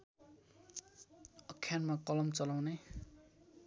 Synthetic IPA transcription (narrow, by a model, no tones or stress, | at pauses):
ʌkʰːjanmakʌlʌmt͡sʌlawne